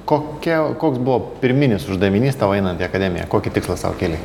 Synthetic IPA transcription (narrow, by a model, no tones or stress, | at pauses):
koːkʲɛkoːksbʊʋoːpʲɪɾʲmʲɪnʲɪsʊʒd̪ɐʋʲɪnʲiːst̪ɑːʋɐɪnɐnt̪iɐkɐd̪ʲɛmʲɪjɛ̰koːkʲɪt̪ʲɪkslˠɐsɑ̰ʋo̰kʲeːlʲe